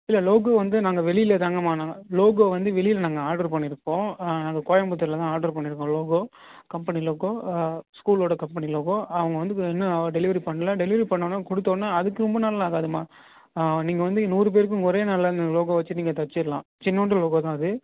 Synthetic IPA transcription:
ɪlːɐloːɡoːʋɐnd̪ɯnaːŋɡɐʋɛɭɪɪlɐt̪ɐŋɡɐmaːnaːŋɡɐloːɡoːʋɐnd̪ɯʋɛɭɪjɪlɐnaːŋɡɐaːɾɖɐɾpɐɳːɪɾɯkːõːnaːŋɡɐkoːjɐmbɯt̪̬ːɐɾɪlɐt̪ãːaːɾɖɐɾpɐɳːɪɾɯkːõloːɡoː | kɐmpɐniloːɡoːskuːloːɽɐkɐmpɐniloːɡoːɐʋɐŋɡɐʋɐnd̪ɯɛnːɐɖɛlɪʋɐɾipɐɳːɐlɐɖɛlɪʋɐɾipɐɳːoːnːaːkɔɽɯt̪ːoːnːaːɐðɯkːɯɾɔmbɐnɐlɐaːɣaːðɯmaː | niːŋɡɐʋɐnd̪ɯnuːɾɯp̬eːɾɯkːɯʊŋɡɐɔɾeːnalɐnloːɡoːʋɐt͡ʃːɯniːŋɡɐt̪ɐʈt͡ʃːɪɾɯlãː | t͡ʃɪnːɐɳʈːɯloːɡoːt̪ãːɐðɯ

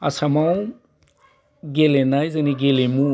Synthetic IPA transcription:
asamaw | ɡelenajzaniɡelemu

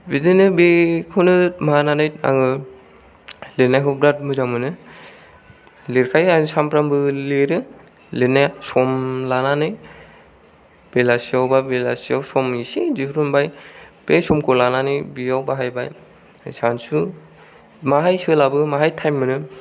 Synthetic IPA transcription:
bidɯnɯbekʰonɯmaananajt̚a̰ŋɯ | lenajɦɔbɾat̚mɯzamɯnɯ | leɾkʰajasampɾambɯleɾɯ | lenajsɔmlananɯj | b̥elasiawbabela̰siawsɔmisizihɾumbajb̥esɔmkʰɔlananɯjbiawbaɦajbaj | sansu | maɦajsɯlabɯmaɦajtʰajmːɯnɯ

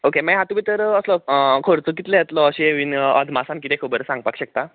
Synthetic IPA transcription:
okemɛɦat̪um̤iːt̪əɾəslɔkʰoɾt͡suk̬it̪lejɛt̪lɔəɕiɦeʋinə̰d̪ʱmasãnkit̪ekʰobəɾsãŋɡpakɕək̚t̪a

